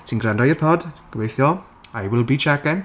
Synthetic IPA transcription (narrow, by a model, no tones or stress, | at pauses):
tʰinɡɾandɔjɪrpʰɔdɡ̥əwejθjɔ | ajwɪlˠbiːt͡ʃʰaɡɛn